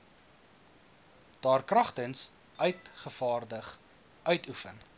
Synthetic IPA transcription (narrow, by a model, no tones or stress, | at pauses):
d̥ɑːrkrɐχtəns | œɥtχəfɑːrdəχ | ʔœɥtʰufən